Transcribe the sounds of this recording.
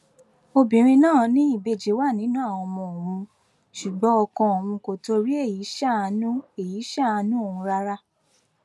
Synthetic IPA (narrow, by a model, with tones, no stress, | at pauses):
o˧bĩ˨˦ɾ̃ĩ˧nãː˦˨nĩ˦i˦˨be˦˨d͡ʒe˨˦wa˦˨nĩ˨˦nũ˦a˦˨w̃ɔ̃˧mɔ̃˧o˨ɾ̃ũ˧ | ʃu˨ɡ͡bɔ̃˨˦ɔ˧kɔ̃˧o˨mũ˧ko˨to˧ɾi˦e˦˨ji˨˦ʃa˦˨˧nũ˦e˨ji˨˦ʃa˦˨a˧nũ˦o˦˨ũ˧ɾa˧ɾa˦